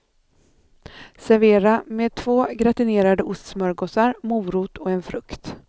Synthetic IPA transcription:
sæɾveːɾameːd̪̚t̪ʰvoːɡɾat̪ɪneːɾad̪əʊst̪smœɾɡɔːsaɾmuːɾuːt̪ʰɔɛnfɾɵkt̪

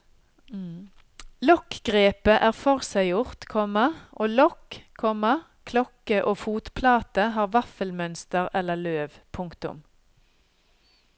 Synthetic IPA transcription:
lɔkɡʁeːpəʔæːʁfɔʁsæɪjʊʁt̪kʰɔmɑʔoːlɔkkʰɔmɑ | kʰlɔkəʔoːfuːt̪pʰlɑːt̪əɦɑːʁʋɑfəlmœnst̪əʁɛlːəʁløːʋpʰʊŋkt̪ʊ̰m

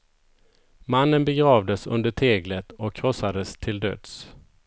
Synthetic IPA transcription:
manːənbɛɡɾɑːvd̪əsɵ̰nd̪əʈʰeːɡlət̪ɔkʰːɾɔsad̪əst̪ʰɪld̪ø̰ːd̪s

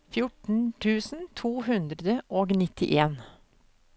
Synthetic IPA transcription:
fjʊʈɳ̩t̪ʰʉːsn̩t̪ʰuːhʉnd̪ɾəd̪əʔoːɡnɪt̪ɪʔeːn

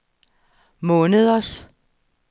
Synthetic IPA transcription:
mɔːnəðˠɐs

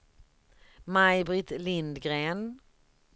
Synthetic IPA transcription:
majbɾɪt̪lɪnd̪ɡɾeːn

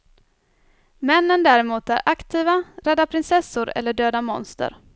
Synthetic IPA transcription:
mɛnːənd̪æɾɛmuːt̪æ̰ɾʔakt̪ʰiːvaɾɛd̪ːapʰɾɪnsɛsːʊɾɛ̰lːəɖøːd̪amɔ̰nst̪ə̰ɾ

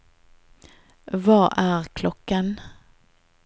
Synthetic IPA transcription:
vɑːʔæɾkʰlɔkːən

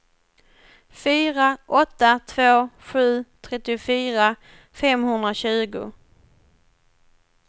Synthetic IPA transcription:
fyːɾaʔɔt̪ːat̪ʰvoːɧʉ̟ːt̪ʰɾɛt̪ːɪʊfyːɾa | fɛmhɵnd̪ɾaɕʉ̟ːɡʊ̰

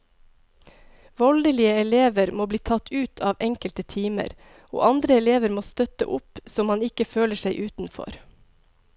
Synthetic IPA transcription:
ʋɔld̪əliːəɛleːʋəɾmoːbliːt̪ʰɑt̪ʰʉːt̪ʰɑːʋɛŋkəlt̪ət̪ʰiːmə̰ɾ | o̰ːʔɑnd̪ɾəɛleːʋəɾmoːst̪œt̪ə̰ʔʊpsɔmhɑnɪkəføːləʃæɪʔʉːt̪n̩fɔ̰ɾ

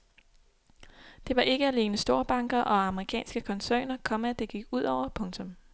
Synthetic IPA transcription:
d̥e̝ʋɑ̈ʔe̝ɡ̥əæle̝ːnəsd̥o̝ɐb̥ɑ̈ŋɡ̥ɐʔɒ̽ɑ̈məʁikʰɛ̰ːnsɡ̥əkʰɒ̽nsø̰ːnɐkʰɒ̽mæd̥e̝ɡ̥iɡ̥uð̞̰ˠɒʊ̰ɐpʰɔ̽ŋt͡sʰɔ̽m

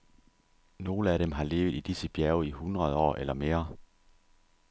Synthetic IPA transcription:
no̝ːləæɾ̥emɦɑ̈le̝ːʊð̩ˠid̥isəb̥jæɐʊihunʁɐð̞ˠɒ̰ːʔelɐme̝ːɐ

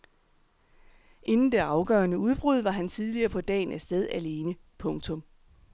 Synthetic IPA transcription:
ʔe̝nn̩d̥e̝ɑ̈ʊɡ̥ɶ̰ːɐnəuð̞ˠb̥ʁuð̞ˠʋɑ̈ɦænt͡sʰið̞ˠliɐːpʰɒ̽d̥ɛ̰ːɪnæsd̥eð̞ˠæle̝ːnə | pʰɔ̽ŋt͡sʰɔ̽m

